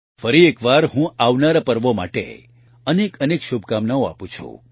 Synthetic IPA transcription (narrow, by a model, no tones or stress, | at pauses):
fəɾiekʋaɾɦũaʋnaɾapəɾʋoma̰ʈḛ | ənekənekʃubʱkamnaoa̰pũt͡ʃʰṵ̃